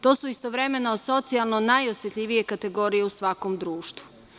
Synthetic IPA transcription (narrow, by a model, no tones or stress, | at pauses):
t̪o̞ːsuist̪o̞ʋɾe̞me̞nooso̞t̪sialˠno̞najosjet̪ʎʲiʋije̞kat̪e̞ɡo̞ɾije̞usʋako̞md̪ɾuːʃt̪ʋu̥